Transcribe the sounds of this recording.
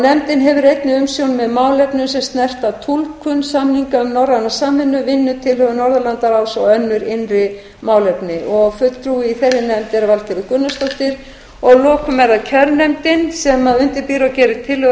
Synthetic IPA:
nɛmt̪ɪnɦɛvʏɾejt̪nɪʏmsjownmɛðmaːwlɛpnʏmsɛmst̪nɛr̥t̪at̪ʰulkʰʏnsamniŋkaʏmnɔwranːasaːmːɪnːʏvɪnːʏt̪ʰɪlhœɣʏnɔɾðʏlant̪aɾawsɔœnːʏɾɪnrɪ | maːwlɛpnɪʔɔɣfʏt̪t̪ʰɾuɪiθɛrːɪnɛmt̪ɛɾavalcɛɾɪkʏnːast̪oht̪ɪɾ̥ | ɔɣlɔːkʏmɛɾaðcʰœɾnɛmt̪ɪnsɛmaðʏnt̪ɪɾpiːɾawcɛːɾɪt̪ʰɪlhœ

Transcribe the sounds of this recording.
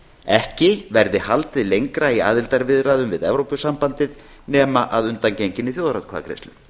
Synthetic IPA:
ɛhcɪvɛɾðɪhalt̪ɪðlejŋkɾaia̰ːðɪlt̪aɾvɪðɾaːðʏmvɪðɛvɾowpʏsampant̪ɪð | nɛːmaʔaðʏnt̪ancejɲcɪnːɪθjoːwðɾat̪kʰva̰ðkɾḛjst̪lʏ̰

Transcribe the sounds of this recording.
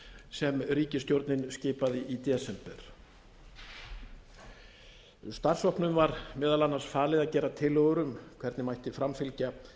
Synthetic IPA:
sɛmɾiːcɪst̪jowɾt̪nɪnscɪːpaðɪʔit̪jɛːsɛmpɛɾ̥ | st̪ar̥sɔhpnʏmvaɾmɛːðalanːḁsfaːlɪðaðcɛːɾat̪ʰɪlœɣʏɾʏmkʰv̥ɛɾt̪nɪmajht̪ɪfɾamfɪlca

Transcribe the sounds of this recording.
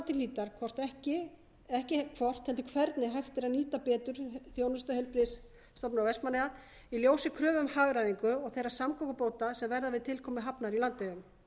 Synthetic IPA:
t̪ɪliːt̪aɾ̥kʰvɔr̥t̪ɛhcɪ | ɛhcɪkʰvɔr̥t̪hɛlt̪ʏ̥kʰvɛɾt̪nɪɦajxt̪ɪɾaniːt̪apɛːt̪ʏɾ̥θjoːwnʏst̪ʏhɛlpɾɪsː | t̪ɔwpnɔwvɛspmaneja | iljoːwsɪkʰɾœːvʏmhaɣɾajðiŋkʏɔɣθejɾasamkʰɔkʏpoːwt̪asɛmvɛɾðavɪðt̪ʰɪlkʰɔːmɪɦapnaɾilant̪ejʏm

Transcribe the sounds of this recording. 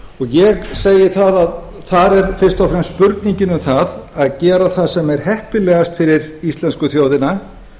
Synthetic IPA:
ɔɣjɛɣseːjɪθaðað | θaɾɛɾfɪ̥st̪ɔfɾɛmspʏɾt̪niɲcɪnʏmθaðaðcɛːɾaθaðsɛmɛɾ̥hɛhpɪlɛɣast̪fɪɾɪɾist̪lɛnskʏθjoːwðɪna

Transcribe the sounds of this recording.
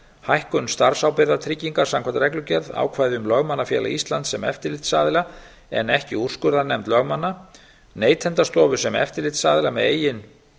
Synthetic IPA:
hajhkʏnst̪aɾ̥sawpɪɾðat̪ʰɾɪcːiŋkḁsamkʰvant̪aɾɛklʏcɛɾða̰ːwkʰvaːjðɪʏmlœɣmanːafjɛ̰ːla̰ist̪lant̪sɛmɛ̰ft̪ɪɾlɪt̪sa̰ːðɪla | ɛ̰nɛhcɪur̥skʏɾðanɛmt̪lœɣmanːa | neːjt̪ʰɛnt̪ast̪ɔːvʏ̥sɛmɛ̰ft̪ɪɾlɪt̪saːðɪlamɛ̰ðḛːjɪn

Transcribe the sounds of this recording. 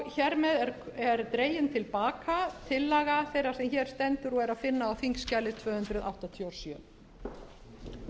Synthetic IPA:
çɛɾmɛðɛɾɛɾt̪ɾeːjɪnt̪ʰɪlpaːkʰat̪ʰɪlːaɣaθejɾḁsɛmçɛːɾ̥st̪ɛnt̪ʏɾɔɣɛɾaðfɪnːaːwfiŋkscajlɪt̪ʰvœːhʏnt̪ɾʏðʔa̰wht̪at̪ʰjaɾ̥sjœ̰ː

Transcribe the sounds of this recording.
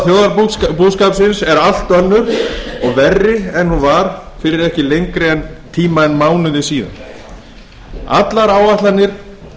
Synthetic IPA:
θjowðaɾpuːðskaːpsɪnsɛɾal̥t̪œnːʏɾɔɣvɛrːɪɛnhunvaɾ̥fɪɾɪɾɛhcɪlejŋkɾɪɛnt̪ʰiːmaɛnmaːwnʏðɪsiːða̰n | a̰t̪laɾaːwaht̪lanːɪɾ̥

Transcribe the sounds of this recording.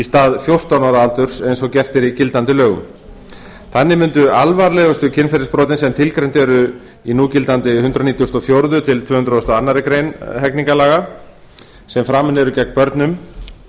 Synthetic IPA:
ist̪aːðfjowr̥t̪awnɔɾalt̪ʏɾ̥sejnsɔcɛr̥t̪ɪɾicɪlt̪ant̪ɪlœːɣʏ̰m | θanːɪmʏnt̪ʏalvaɾlɛːɣʏst̪ʏcʰɪnfɛɾɪspɾɔːt̪ɪnsɛmt̪ʰɪlkɾɛjnt̪ɛɾʏ | inuːcɪlt̪ant̪ɪhʏnt̪ɾɔniːt̪jɔst̪ɔfjowɾðʏt̪ʰɪlt̪vœːhʏnɾaɔst̪ɔanːaɾɪkɾejnɦɛkniŋkalaːɣa | sɛmfɾaːmɪnɛɾʏcɛk̚npœɾt̪nʏm

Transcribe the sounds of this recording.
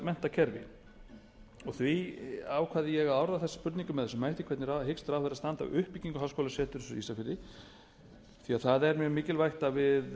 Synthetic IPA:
mɛn̥t̪acʰɛɾvɪ̰ | ɔɣθviawkʰvaːðɪjɛɣaaːwɾaðaθɛsːḁpʏɾt̪niŋkʏmɛðɛsʏmajht̪ɪkʰɛt̪nɪɾaðɦɪkst̪ɾawfvɛɾast̪ant̪a̰wʏhpːiciŋkʏhawskowlasɛːt̪ʏɾsḭsafɪɾɪ | θiaðθaðɛɾmjœːmɪːcɪlvajxt̪avɪð

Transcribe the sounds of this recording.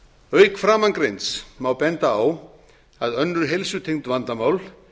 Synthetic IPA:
œːɥkfɾaːmankɾejnsmawpɛnt̪aːw | aðœnːʏɾ̥ɦejlsʏt̪ʰeŋt̪vant̪amaːwl

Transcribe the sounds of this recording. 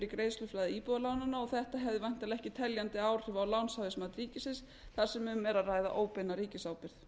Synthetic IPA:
ɾɪkɾeːjðslʏflajðɪiːpʏalawnanːaɔθɛht̪aɦɛvðɪvajn̥t̪alɛhcɪt̪ʰɛljant̪ɪaːwr̥ɪvawlawnsawðɪsmaːt̪ɾiːcɪsɪns | θaɾ̥sɛmʏmɛɾaraːjða̰ʔoːwpɪnːaɾiːcɪsaːwpɪɾ̥θ

